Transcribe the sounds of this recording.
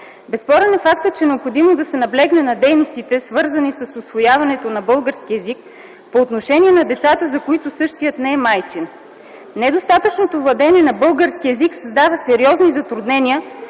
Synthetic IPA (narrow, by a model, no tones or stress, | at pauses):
bɛspɔɾɛnɛfakt̪ət͡ʃɛnɛopxod̪imod̪ɐsɛnɐblɛɡnɛnɐd̪ɛjnost̪it̪ɛsvɤɾzɐnisəsʊsvojavɐnɛt̪onɐbɤlˠɡəɾskiɛzik | poːt̪noʃɛnʲiɛnɐd̪ɛt̪sat̪əzɐkoit̪ʊsɤʃt̪ijət̪nɛɛmajt͡ʃin | nɛd̪ost̪at̪ət͡ʃnot̪ovlˠɐd̪ɛnʲiɛnɐbɤlˠɡəɾskiɛziksɐzd̪avəsɛɾiɔznizɐt̪ɾud̪nɛniə